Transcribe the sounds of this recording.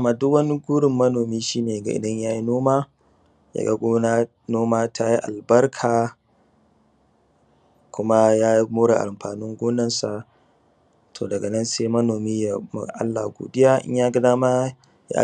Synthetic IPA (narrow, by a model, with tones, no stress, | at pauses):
ma˨dʊ˦kwɐ˦ni˦ɡʷuː˦ɽɪ˨mːɐ˦noː˨miː˦ʃiː˦neː˨ɡa̰˨ʔɪ̰˨dɐ˦ɲjaː˦ji˦noː˦maː˦ | ja̰˨ɡa̰˦ɡʷoː˦na˦ | noː˦maː˦tʰa˦ji˦ʔa˨lbɐ˦rkʰaː˨ | kʷʊ˦ma˦jaː˦ji˦moː˦ɽa̰˨ʔa˨mɸaː˨nʊ˦ŋɡʷoː˦nɐ˦nsa˨ | tʰoː˨dɐ˨ɡɐ˨nɐ˦nse˦mɐ˦noː˨miː˦ja˨ma̰˨ʔa̰˦lːa˨ɡo̰ː˨dɪ˦jaː˦ʔɪ̰˦ɲ˦jaː˦ɡɐ˦daː˦ma˦ | ja̰˦ʔ